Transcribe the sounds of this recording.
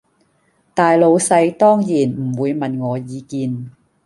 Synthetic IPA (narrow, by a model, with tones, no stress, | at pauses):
t̪aː˨jlo˨˧wsɐ˧jt̪ɔː˥ŋjiː˨˩nm̩˨˩wuː˨˧jmɐ˨nŋɔː˨˧jiː˨˧kiː˧n